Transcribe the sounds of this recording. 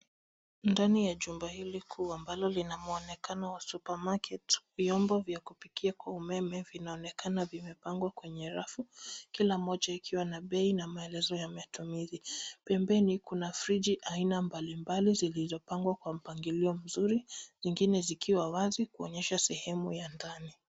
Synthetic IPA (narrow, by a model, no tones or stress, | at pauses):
ndanijaʄumbahilikʰuambalɔlinamuɔnɛkanawasupamakɛtvjɔmbɔvjakupikiakwaumɛmɛvinaɔnɛkanavimɛpaŋɡwakwɛɲɛɾafukilamɔʄaikʰiwanaɓɛinamaɛlɛzɔjamatumizipɛmbɛnikunafɾid͡ʒiʔainambalimbalizilizɔpaŋɡwakwam̩paŋɡiliɔm̩zuɾiziŋɡinɛzikiwawazikuɔɲɛʃasɛhɛmujandani